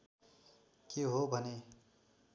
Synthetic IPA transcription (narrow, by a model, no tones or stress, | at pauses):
keɦobʱʌne